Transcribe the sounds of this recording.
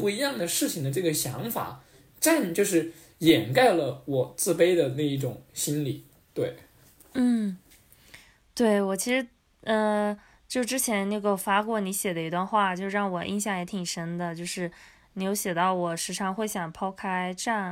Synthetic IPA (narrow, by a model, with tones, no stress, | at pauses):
pu˥˩i˧˥jɑ˥˩ŋd̪ə˩ʂɻ̩˥˩t͡ɕʰi˩ŋd̪ə˩˦ʈ͡ʂɤ˥˩ɡə˩ɕjɑ˧˥ŋfa̰˨˩˦ | ʈ͡ʂa˥˧nt͡ɕjo˥˧ʊʂɻ̩˥˩ | jɛ˨˩nka˥˩ɪlə˩wɔ˨˩t͡sɹ̩˥˧pe˥ɪd̪ə˨na˥˧i˥˩ʈ͡ʂʊ˨˩˦ŋɕi˥nli˨˩˦ | t̪we˥˩ɪ | n̩˥˩ | t̪we˥˩ɪwɔ˨˩t͡ɕʰi˧˥ʂɻ̩˧˥ | ə˥˧ | t͡ɕjo˥˧ʂʈ͡ʂɻ̩˥t͡ɕʰjɛ˧˥nna˥˩ɡə˩fa˥kwɔ˥˩ni˧˥ɕjɛ˨˩lə˦i˧˥t̪wa˥˧nxwa˥˩t͡ɕjʊʂɻ̩˥˧ɻɑ˥˩ŋwɔ˨˩ʔḭ˥˧nɕjɑ˥˩ŋjɛ˧˥t̪ʰi˨˩ŋʂə˥nd̪ə˨t͡ɕjo˥˧ʊʂɻ̩˥˩ | ni˧˥jo˧˥ʊɕjɛ˨˩t̪ɑ˥˩ʊwɔ˨˩ʂɻ̩˧˥ʈ͡ʂʰɑ˥˧ŋxwe˥˩ɪɕjɑ˨˩ŋpʰɑ˥ʊkʰa˥ɪʈ͡ʂa˥˩n